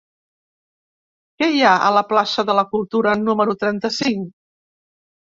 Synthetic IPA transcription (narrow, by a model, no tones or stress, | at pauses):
kɛjaə̰ləplasəðələkulˠt̪uɾənuməɾut̪ɾɛnt̪əsiŋ